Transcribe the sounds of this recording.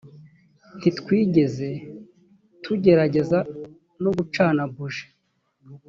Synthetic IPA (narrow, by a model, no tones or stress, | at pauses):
n̥titkwiːɟe̞ze̞ | tʰuɟe̞ɾaɟe̞za | no̞ɡut͡ʃaːnabuʒe̥